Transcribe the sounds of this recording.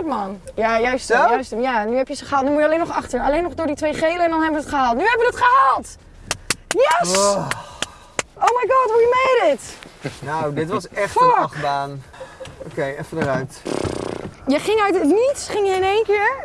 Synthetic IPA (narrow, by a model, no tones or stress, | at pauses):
tmanjajœɥstəjœɥstəmjanyhɛpjəsəχəaːltnymujəleːnɔχaχtəɹaleːnɔχdʊːɹditʋeːχejləɛndɔnhɛbəʋəətχəhaːlˠtnyhɛbəʋəətχəhaːlˠt | jɛs | owmajɡɔthujəmejdɪtnowdɪtʋɔsɛxfoxbaːnokejɛfədəraɥt | jəχɪŋœɥtətnitsχɪŋjəɪnejnkɪəɹ